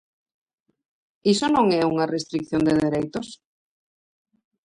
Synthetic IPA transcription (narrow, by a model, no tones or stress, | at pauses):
isonõŋɛuŋarest̪ɾik̚θjond̪eðeɾejt̪os